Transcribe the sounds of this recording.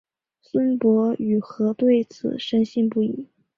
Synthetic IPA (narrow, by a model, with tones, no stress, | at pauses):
swə˥npwɔ˧˥y˨˩xɤ˧˥t̪we˥˩ɪt͡sʰɹ̩̰˨˩ʂə˥nɕi˥˧ŋpu˥˩ḭ˨˩˦